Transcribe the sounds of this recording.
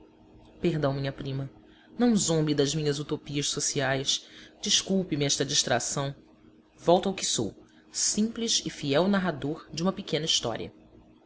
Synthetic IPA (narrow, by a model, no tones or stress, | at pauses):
peɦd̪ɐ̃w̃mĩɲɐpɾĩmɐ | nɐ̃w̃zõmbid̪ɐzmĩɲɐzut̪opiɐʃsosiajsd͡ʒiʃkuwpɪmɪɛʃt̪ɐd͡ʒiʃt̪ɾa̰sɐ̃w̃ | vɔwt̪ɐwkɪso̰w | sĩplizɪfiɛwnaɦad̪oɾd͡ʒɪũmɐpɪkẽnɐiʃt̪ɔ̰ɾiɐ̰